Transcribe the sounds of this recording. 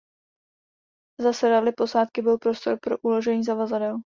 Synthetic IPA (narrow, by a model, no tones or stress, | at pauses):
zasɛɾalɪpo̞saːt̪kɪbɪlpɾo̞st̪o̞ɾpɾo̞̰ʔulo̞ʒɛɲiːzavazadɛl